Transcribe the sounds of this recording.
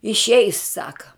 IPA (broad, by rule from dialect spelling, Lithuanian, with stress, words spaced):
ɪʃʲˈɛɪs ˈsɑːkɐ